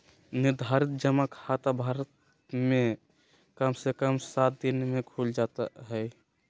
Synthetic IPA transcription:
niɾd̪ʱaɾit̪̚d͡ʒəmakʰat̪abʱaɾət̪ | mẽ | kəmsekəmsat̪̚d̪inmẽkʰuld͡ʒat̪aɦɛj

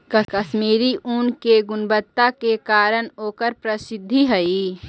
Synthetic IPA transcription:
kɐkɐʃmiːɾiʔuːnkeɡʊnbət̪ːakekaːɾənɦoːkəɾpɾɐsɪd̪ʱːiɦɐiː

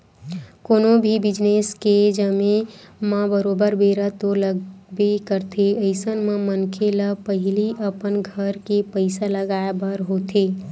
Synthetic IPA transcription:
koːnõbʱibɪd͡ʒnesked͡ʒəmemãbəɾoːbəɾbeːɾət̪oləɡbekəɾt̪ʰeəɪsənmãmənkʰeləpəɦɪliʔəpənɡʱəɾkepəɪsaləɡaːebəɾɦot̪ʰeː

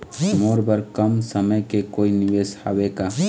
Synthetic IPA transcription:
moːɾbəɾkɐmsəməjkekoːiniʋeːsha̰weːkaː

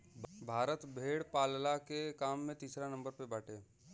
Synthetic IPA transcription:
bʱaːɾət̪bʱeːɽpaːllakekaːmːẽt̪iːsɾanə̃mbəɾpebɛːʈʰeː

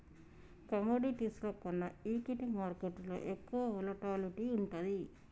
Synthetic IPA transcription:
kɐmoːɖiʈisloːkonːɐiːkiʈimaːɾkeʈːlo̰ːʔekːuʋɐloʈaːliʈiuɳʈud̪i

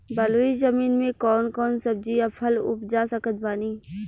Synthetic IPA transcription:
bɐloːizəmiːnmẽkɔːnkɔːnsəb̚d͡ʒiɐpʰəlʊ̰pd͡ʒaːsəkət̪̚baːniː

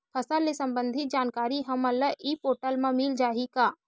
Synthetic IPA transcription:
pʰɐsalesɐ̃mbə̃nd̪ʱɪt̪̚d͡ʒaːnkaːɾiɦɐməlːəʔiːpoːʈəlmãmild͡ʒaːɦikaː

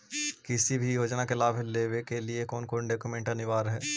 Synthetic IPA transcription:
kɪsibʱijoːd͡ʒnakelaːbleːʋekeliekɔːnkoːnɖoːkumẽːɳʈɐnɪʋaːɾɦɛː

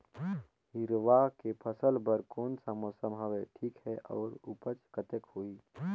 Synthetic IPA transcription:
hɪɾʋakepʰəsəlbəɾkoːnsəmosəmɦaʋeʈʰiːkhɛʔɔːɾʊpət͡ʃkət̪əkɦoːiː

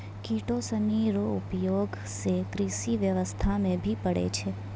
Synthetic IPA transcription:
kiʈosəniɾoʊpjoɡ | sekɾiʃiʋjəʋəst̪ʰamẽbʱipəɽḛt͡ʃʰe

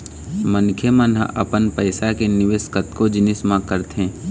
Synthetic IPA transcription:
mənkʰjəmənɦəʔɐ̰pənpəɪsakenɪʋeːskət̪kod͡ʒɪnɪsmãkəɾt̪ɦɛ̃ː

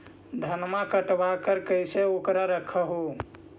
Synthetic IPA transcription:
d̪ʱənmakəʈbakəɾkəjseokɾaɾəkʰəɦo

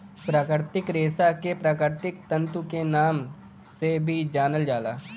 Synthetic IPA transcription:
pɾaːkəɾt̪ɪkɾeːsakepɾaːkɪɾt̪ɪkt̪ə̃nt̪ukenaːm | sebʱid͡ʒaːnəld͡ʒaːla̰ː

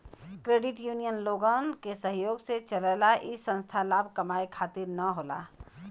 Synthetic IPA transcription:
kɾeːɖɪʈjuːnijənloːɡənkesə̃ɦjoːɡset͡ʃələlaʔɪsə̃nst̪ʰalaːbʱkəmaːekʰaːt̪ɪɾnəɦoːla̰ː

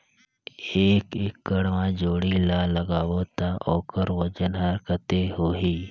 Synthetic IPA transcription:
eːkekːəɽʋãd͡ʒoːɽilaːləɡaːwot̪aʔɔːkəɾʋəd͡ʒənɦɐɾkət̪eɦoːɦiː

